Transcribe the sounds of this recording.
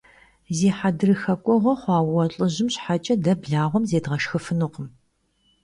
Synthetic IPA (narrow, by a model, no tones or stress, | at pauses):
zeːħadɨrɨxɐkʷʼɔʁʷɔχʷɑːwwɔɬʼɨʑɪmɕħat͡ʃʼɐdɐbɮaːʁʷɔmzeːdʁɐʂxɨfɨnuqəm